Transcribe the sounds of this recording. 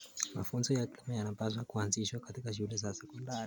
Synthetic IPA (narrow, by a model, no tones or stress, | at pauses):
ma̰funzɔjatmjanapas̬wakuanziʃwakatikaʃ̬ulɛzasɛkɔndaɾi